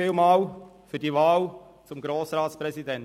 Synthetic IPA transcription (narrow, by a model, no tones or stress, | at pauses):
iːlmaːl | fyːɐdiːvaːl | t͡sʊmɡɾoːsɾaːtspɾɛzidɛn